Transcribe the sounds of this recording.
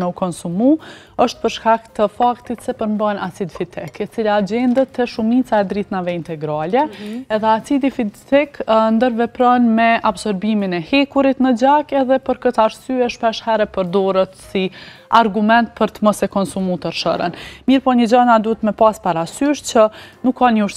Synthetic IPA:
mɛukɔnsumu | əʃt̪̚pəɾʃkakt̪əfakt̪it̪sɛpəɾmbanasid̪fit̪ʰɛkɛt͡silad͡ʑɛnd̪ət̪ɛʃumit͡saɛd̪ɾit̪navɛint̪ɛɡɾalɛɛðɛasid̪ifit̪ɛknd̪əɾvɛpɾɔnmɛabsɔɾbiminɛhɛkuɾit̪nəd͡ʑakɛðɛpəɾkət̪aɾsyɛʃpɛʃhɛɾɛpəɾd̪ɔɾət̪siaɾɡumɛnt̪̚pəɾt̪əmɔsɛkɔnsumut̪əɾʃə̰ɾə̰nmiɾpɔɲəd͡ʑanad̪uət̪mɛpaspaɾasyʃt͡ɕənukːanəuʃ

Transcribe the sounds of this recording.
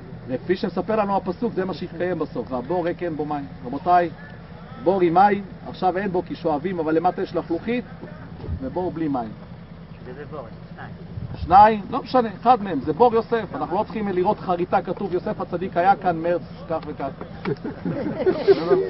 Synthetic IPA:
vekfiʃemesapeʁlanuapasukzemaʃeit̪kaje̞mbaso̞fveabo̞ʁekenbomaimʁabot̪aj | bo̞ʁimaima̰χʃavenbo̞kiʃo̞avimavalːe̞mat̪ajeʃlaχluχit̪vebo̞blimaim | ʃnaimlo̞meʃane̞χad̪meemzebo̞ʁjo̞se̞fanaχnulot͡sχimliʁo̞t̪χaʁitakatuvjo̞se̞fat͡sad̪ikhajakanmeʁt͡s | kaχvekaχ

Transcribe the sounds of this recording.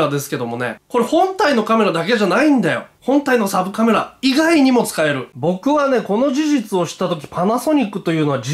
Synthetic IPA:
ɾad̪e̞sɨ̥ke̞d̪o̞mo̞ne̞̰ko̞ɾe̞hõ̞nt̪aino̞kame̞ɾad̪ak̬e̞ʑanaĩnd̪ajo̞̰hõ̞nt̪aino̞sabɯ̟kame̞ɾaiɡaiɲ̟imo̞t͡sɨ̥kae̞ɾɯ̟bo̞kɯ̟βane̞ko̞no̞ʑiʑit͡sɨo̞ɕi̥t̪ːat̪o̞k̬ʲi̥pʰanaso̞ɲ̟ikːɯ̟t̪o̞jɯ̟ːno̞βad͡ʑi

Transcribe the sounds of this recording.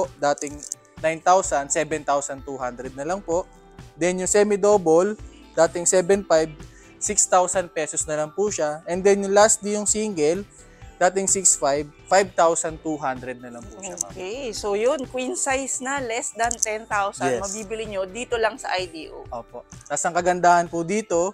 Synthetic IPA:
pod̪aːt̪ɪŋ | najnt̪awsɐnd̪sɛːbɛnt̪awsɐnt̪uːɦand̪ɾɛd̪̚nɐlɐŋpo̞ʔ | d̪ɛnjʊŋsɛmɪd̪oːbol | d̪aːt̪ɪŋsɛːbɛnpajb̚ | sikst̪awsɐn̚pɛːsosnɐlɐŋpuːʃaʔɛnd̪ɛnjʊŋlast̪̚lijʊŋsiŋɡɛl | d̪̥aːt̪ɪŋsiksfajb̚fajb̚t̪awsɐnt̪uːɦand̪ɾɛd̪̚nɐlɐŋpṵoaːkɛjsojonkwinsajsnɐlɛsd̪ɐnt̪ɛnt̪awsɐɛmɐbiːbɪlɪɲod̪iːt̪olɐŋsɐ̰ʔɐjd̪iːʔo̰ʔoːpo̞ʔt̪asɐŋkɐɡɐnd̪aːhɐnpʊd̪iːt̪o̞

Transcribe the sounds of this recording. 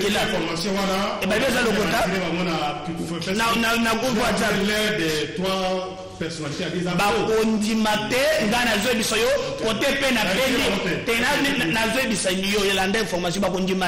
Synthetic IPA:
elafɔmasjɔ̃wanaebaebiezalokotailebamɔnakfnananaɡootailedetwa | pɛʁsɔnaiteaeabakondimatɛŋɡanazoebisajokkotepenapenitetenannazoebisanijojelandaɛ̃fɔʁmas̬jɔ̃bakondima

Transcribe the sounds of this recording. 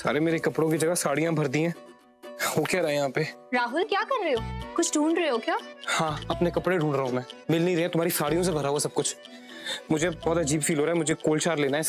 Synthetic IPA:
sa̰ːɾemeːɾekɐpɽõkid͡ʒɐɡasaːɽijãbʱɐɾd̪ĩɦɛ̃ː | ɦoːkjaːɾɐɦẽjɐɦãːpeɾaːɦʊlkjaːkɐɾːɐeoːkʊt͡ʃʰɖʱũːɳɖɾɐeokjaːhãːɐpnekɐpɽeɖʱũːɳɖɾɐɦõmɛ̃ːmɪlnĩɾːɛ̃t̪ʊm̤aːɾisaːɽijõs̬ebʱɐɾaːuasɐb̚kʊt͡ʃʰ | mʊd͡ʒʱebɔːt̪ɐd͡ʒiːbfiːlɦoːɾaːɛmʊd͡ʒʱekoːlt͡ʃaːɾleːnaɦɛ

